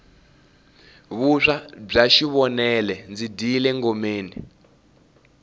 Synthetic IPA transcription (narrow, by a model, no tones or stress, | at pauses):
βuʂab͡ʐaʃiβɔnɛlɛnd͡zidilɛŋɡomeːnḭ